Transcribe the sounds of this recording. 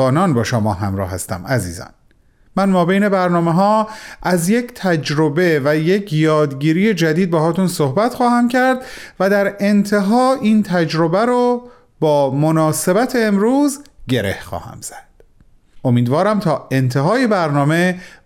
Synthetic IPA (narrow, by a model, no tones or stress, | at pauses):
ɒːnɒːnbɒːʃomɒːɦæmɾɒ̰ːhæst̪æ̰mæzḭːzɒ̰ːn | mænmɒːbejne̞bæɾnɒːmeɦɒːʔæzje̞cʰt̪ʰæd͡ʒɾo̞be̞væje̞cʰjɒːd̪ɡiːɾiːje̞d͡ʒæd̪iːd̪̚behɒːt̪unsohbæt̪xɒːhæmcʰæɾd̪ | væd̪æɾe̞nt̪ʰe̞ɦɒːiːnt̪ʰæd͡ʒɾo̞bæɾo | bɒːmonɒːse̞bæt̪ʰeːmɾuːzɟe̞ɾḛhxɒ̰ːhæ̰mz̥æd̪̥ | o̞miːd̪vɒːɾæmt̪ʰɒːe̞nt̪ʰeɦɒːje̞bæɾnɒːme̞